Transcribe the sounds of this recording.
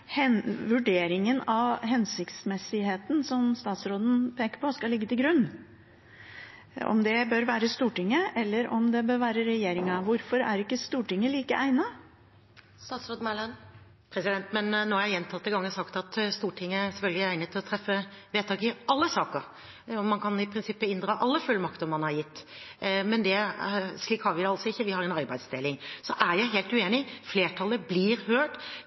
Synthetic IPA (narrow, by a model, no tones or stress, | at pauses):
hɛnʋʉɖeːɾɪŋənɑʋɦɛnsɪkt̪smɛsɪɦeːt̪n̩sɔmst̪ɑːt̪sɾoːd̪n̩pʰeːkəɾpʰɔskɑlɪɡːət̪ɪlɡɾʉnː | ɔ̰md̪ɛbøːɾʋæːɾəst̪uːʈɪŋːəʔɛlːəɾɔmd̪ɛbøːɾʋæːɾəɾɛjeːɾɪŋɑʋʊɾfɔɾæ̰ɾɪkːəst̪uːʈɪŋːəliːkə̰ʔæɪnɑ | st̪ɑːt̪sɾoːd̪n̩mælɑn | pʰɾɛsɪd̪ɛnt̪mɛnnːoːæɾjɛnt̪ʰɑt̪ːəɡɑŋːəsɑkt̪ɑt̪st̪uːʈʰɪŋːəæsɛfœlɡəlɪæɪnət̪ʰɪlɔt̪ʰɾɛfːəʋeːt̪ʰɑːɡɪʔɑlːəsɑːkəɾ | ɔmɑnkʰɑnɪpʰɾɪnsɪpːəɪnd̪ɾɑːʔɑlːəfʉlːmɑkt̪əɾmɑnhɑɾjɪt̪ːmɛnd̪ɛsɭiːkhɑɾʋɪd̪ɛɑlsɔɪçːəʋɪhɑɾɛnɑɾbæɪd̪sd̪eːlɪŋsɔʔæɾjæɪɦeːlt̪ʉeːnɪfleːʈʰɑlːəblɪɾhøːʈ